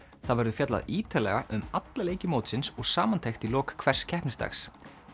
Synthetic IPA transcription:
θaðvɛɾðʏfjat̪la̰ðiːt̪alɛ̰ɣaʔʏmat̪laleːjcɪmoːwt̪sɪnsɔɣsaːmant̪ʰejxt̪ilɔːkkʰv̥ɛr̥scʰɛhpnɪst̪a̰xs

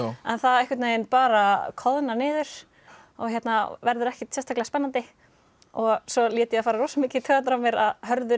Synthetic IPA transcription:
ɛ̰nθaðɛhkvɪt̪eːjɪnpaːɾakʰɔðnanɪːðʏɾ̥ | ɔ̰ɣçjɛt̪navɛɾðʏɾɛhcɪt̪sɛst̪ʰaklɪaspɛnːant̪ɪ | ɔɣsɔliːt̪ɪjɛafaːɾaɾowsamɪːcɪt̪ʰœːɣat̪ɾawmjɛɾaðɦœɾðʏ

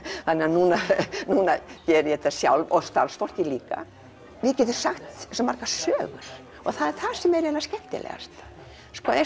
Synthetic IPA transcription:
θanːɛanuːnanuːnacɛːɾʏjɛɛt̪ːasja̰wlɔst̪a̰lsfɔr̥cɪliːka̰ | vɪðcɛt̪̬ʏɾ̥saxt̪smarkḁsœːɣʏ̰ɾ̥ | ɔɣθaðɛɾθaðsɛmɛɾɛnːascɛht̪ɪ̰lʔɛ̰ɣa̰st̪ḁ | skɔɛ

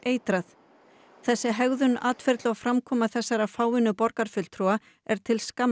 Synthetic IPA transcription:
eːjt̪ɾaθ | θɛsːɪɦɛɣðʏnaːt̪fɛɾt̪lʏawfɾamkʰɔːmaθɛsːaɾafaːwɪnʏpɔɾkaɾ̥fʏl̥t̪ʰɾua | ɛɾ̥t̪ʰɪlska

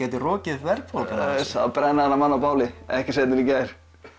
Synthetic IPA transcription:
ɛːjt̪ɪrɔːcɪvɛrkʰaaapɾɛnːaanːamanːawpaːwlɪɛhcɪseːt̪nɪnicaːjɾ̥

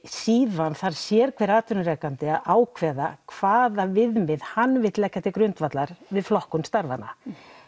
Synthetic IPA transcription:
siːðvanθaɾ̥sjɛɾ̥kʰvɛɾaːt̪ʏnʏɾɛkant̪ɪaðaːwkʰvɛːðakʰv̥aːðavɪðmɪðhanːvɪt̪lɛhcːat̪ɪkɾʏnt̪vat̪laɾvɪðflɔhkʏmst̪aɾva̰nːa̰

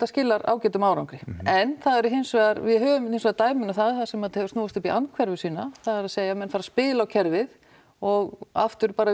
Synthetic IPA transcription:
t̪ascɪlːaɾa̰ːwcɛːt̪ʏmaːwɾawŋkɾɪɛnθaðɛɾʏɦɪnsvɛaɾvɪðɦœːvʏmɪnsvɛːðt̪aːjmɪnaθaðθaðsɛmaðhɛvʏsuːvast̪ʏpiʔankʰvɛɾvʏsiːnaθaðɛɾaðseːjamɛnfaɾaspɪːlawcʰɛɾvɪð | ɔɣa̰ft̪ʏɾ̥paːɾa

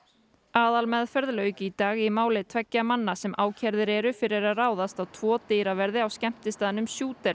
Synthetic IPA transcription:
aːðalmɛðfɛɾðlœːɥcɪit̪aːɣimaːwlɪt̪ʰvɛcːamanːasɛmʔaːwcʰɛɾðɪɾɛɾʏfɪɾɪɾaðraːwðast̪awt̪ʰv̥ɔːt̪eːjɾavɛɾðɪawscɛm̥t̪ɪst̪aːðɪnʏmsjuːt̪ɛɾ

